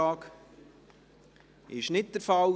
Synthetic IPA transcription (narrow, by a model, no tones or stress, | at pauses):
ɑːk | ɪʃnɪt̚d̥əɾfɑl